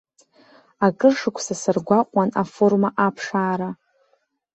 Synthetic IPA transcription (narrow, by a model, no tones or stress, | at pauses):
akʼɨrʂɨkʷʰsasɨrɡʷaqʷʼanafo̞rmaʔapʰʂaːɾa